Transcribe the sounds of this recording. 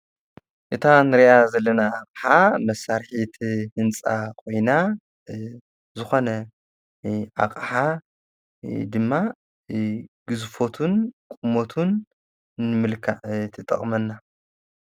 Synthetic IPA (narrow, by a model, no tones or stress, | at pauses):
ʔɨt̪ʰanɨɾijazɐlːɐnaakʼħamɐsːaɾħit̪ʰhɨnt͡sʼakʰʼo̞jna | zɨxo̞nɐ | ʔa̰kʼħa | d̪ɨmːa | ɡ̥ɨzfo̞t̪ʰunkʼumo̞t̪ʰun | nɨmɨlkʰat̪ʰɐt̪ʼɐ̰χʼmɐnːa